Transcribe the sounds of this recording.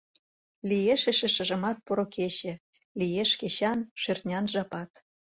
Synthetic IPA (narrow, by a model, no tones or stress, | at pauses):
lijeʃĕʃĕʃə̆ʒə̆mɑt̪̚poɾokʰeɕĕ | lijeʃkeɕɑnʃørt̪nʲɑnʒɑpɑt̪